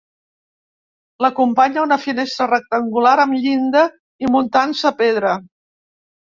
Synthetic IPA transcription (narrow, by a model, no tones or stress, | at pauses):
ləkumpaɲəunəfinest̪ɾərək̚t̪əŋɡulaɾəmʎind̪ə | imunt̪ansəːpeð̞ɾə